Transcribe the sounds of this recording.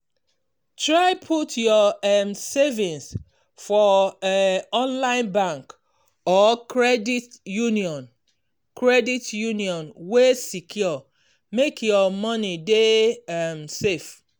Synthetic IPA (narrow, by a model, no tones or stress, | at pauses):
tɹaɪpʰutʰjɔmsevĩns | fɔ | ɔ̃nlãɪ̃nbãŋk | ɔkɹɛditjuniɔ̃n | kʰɹɛditjuniɔ̃nwesikʰjɔ | mekʰjɔmɔnidemsef